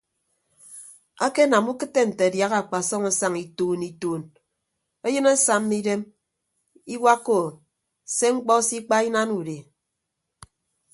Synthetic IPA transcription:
a˦ke˦na˨mu˦kɨ˦tːe˦n̩˨te˨a˨dja˦ɣa˦˨k͡pa˨sɔ˦ŋa˦sa˦ŋi˨tuː˦ni˦tuː˦n | e˦jɨ˦ne˦sa˦m˦ni˦de˦m | i˦wa˦kːo˨ | se˦ŋ͡m̩˦k͡pɔ˦si˦k͡pa˦i˦na˦nu˨de˨

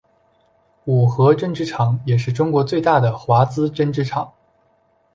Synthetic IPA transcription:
u˨˩xɤ˧˥ʈ͡ʂɤ˥˧ŋʈ͡ʂɻ̩˥ʈ͡ʂʰɑ˨˩˦ŋjɛ˨˩ʂ̬ɻ̩˥˩ʈ͡ʂʊ˥ŋkwɔ˧˥t͡swe˥˧ɪt̪a˥˩d̪ə˩xwa˧˥t͡sɹ̩˥ʈ͡ʂə˥nʈ͡ʂɻ̩˥ʈ͡ʂʰɑ˨˩˦ŋ

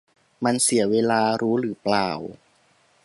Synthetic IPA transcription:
ma˧nsi˨˩˦ɐweː˧laː˧ɾuː˦˥ɾɯː˩˦plaː˨˩w

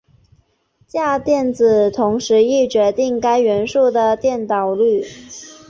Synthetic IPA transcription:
t͡ɕja˥˧t̪jɛ˥˩nt͡sɹ̩˨˩t̪ʰʊ˧˥ŋʂɻ̩˧˥i˥˩t͡ɕɥɛ˧˥t̪i˥˩ŋka˥ɪɥɛ˧˥nʂu˥˩d̪ə˩t̪jɛ˥˩nt̪ɑ˨˩ʊly˥˩

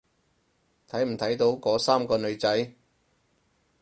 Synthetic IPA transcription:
t̪ʰɐ˨˥jm̩˨˩t̪ʰɐ˨˥jt̪o˨˥wkɔː˨˥saː˥mkɔː˧nɵ˨˧ɥt͡sɐ˨˥j

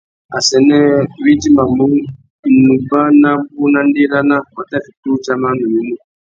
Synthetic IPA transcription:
a˨sɛ˨ne˦βi˦ti˦ma˨mu˦˨ | nu˨ba˦na˦ku˦na˦ndi˦ɾa˦na˦wa˨ta˦fi˨tu˦t͡ʃa˦ma˦nu˨ji˨˦mu˦

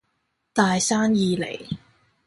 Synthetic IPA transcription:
t̪aː˨jsaː˥njiː˧lḛ˨˩j

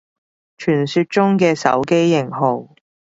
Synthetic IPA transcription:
t͡ʃʰyː˨˩nsyː˧t̚t͡ʃʊ˥ŋkɛː˧sɐ̰˨˥wke˥jːɪ˨˩ŋɦo˨˩w

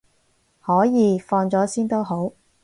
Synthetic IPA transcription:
hɔː˨˥jiː˨˧fɔː˧nt͡sɔː˨˥siː˥nt̪o˥wɦo˨˥w

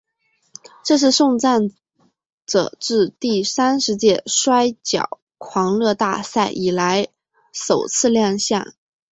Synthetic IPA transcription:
ʈ͡ʂɤ˥˧ʂ̬ɻ̩˥˧ʂʊ˥˧ŋt͡sa˥˩n | ʈ͡ʂɤ̰˨˩ʈ͡ʂɻ̩˥˧t̪i˥˩sa˥nʂɻ̩˧˥t͡ɕjɛ˥˩ʂwa˥ɪt͡ɕjɑ̰˨˩ʊ | kʰwɑ˧˥ŋlɤ˥˧t̪a̰˥˧sa˥˩ɪʔi˨˩la˧˥ɪ | ʂo˨˩ʊt͡sʰɹ̩˥˧ljɑ˥˧ŋɕjɑ̰˥˩ŋ

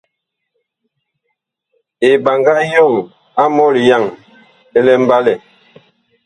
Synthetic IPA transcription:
e˨ba˨ŋɡa˦jo˦˨ŋ | a˦mɔ˦li˨ja˦˨ŋ | e˦lɛ˦m̩˦ba˦lɛ˨

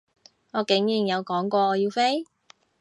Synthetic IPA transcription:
ŋɔː˨˧kɪ˨˥ŋjiː˨˩ŋjɐ˨˧wkɔː˨˥ŋkʷɔː˧ɔː˨˧jiː˧wfe˥j

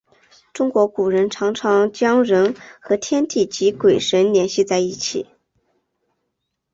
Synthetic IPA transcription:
ʈ͡ʂʊ˥ŋkwɔ˧˥ku˨˩ɻə˧˥nʈ͡ʂʰɑ˧˥ŋʈ͡ʂʰɑ˧˥ŋt͡ɕjɑ˥ŋɻə˧˥nxɤ˧˥t̪ʰjɛ˥nt̪i˥˩t͡ɕi˧˥kwe˨˩ɪʂə˧˥nljɛ˧˥nɕi˥˧t͡sa˥˧ɪi˥˩t͡ɕʰḭ˨˩˦

